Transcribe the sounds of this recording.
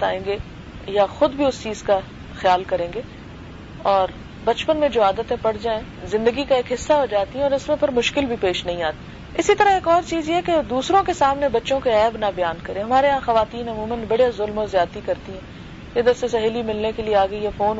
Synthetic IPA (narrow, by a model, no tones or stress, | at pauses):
t̪a̰ːẽːŋɡe | jaxʊd̪bʱiʊst͡ʃiːz̥ka | xɪjaːlkɐɾẽːŋɡeː | ɔːɾ | bɐt͡ʃpənmẽd͡ʒoːaːd̪ət̪ẽpɐɽd͡ʒaːẽ | zɪ̃nd̪əɡikaeːkɦɪsːaɦod͡ʒaːt̪iɦɛ̃ɔːɾɪsmẽpɐɾmʊʃkɪlbʱipeːʃnɐɦĩaːt̪i | ɪsit̪ɐɾaɦeːkɔːɾt͡ʃiːzjeɦɛked̪uːsɾõkesaːmnebɐtːʃõkeɛːbnabɐjaːnkɐɾẽɦɐmaːɾeɦãxɐʋaːt̪iːnɐmuːmənbɐɽjazʊlmɔzjaːt̪ikɐɾt̪iɦɛ̃ː | ed̪əɾsesɐɦeːlimɪlnekelieaːɡəijafoːn